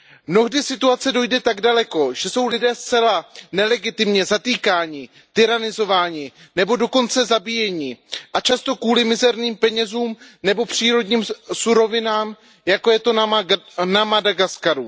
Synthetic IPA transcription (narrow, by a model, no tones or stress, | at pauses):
mno̞ɣdɪsɪt̪uat͡sɛdo̞jdɛt̪aɡdalɛko̞ʒ̥ɛso̞wlɪdɛːst͡sɛlanɛlɛɡɪt̪ɪmɲɛzat̪iːkaːɲɪ | t̪ɪɾanɪzo̞vaːɲɪ | nɛbo̞do̞ko̞nt͡sɛzabijɛɲɪʔat͡ʃast̪o̞kuːlɪmɪzɛɾniːmpɛɲɛzuːmnɛbo̞pr̝̥iːɾo̞dɲiːmsuɾo̞vɪnaːm | jako̞jɛt̪o̞ | namadaɡaskaɾu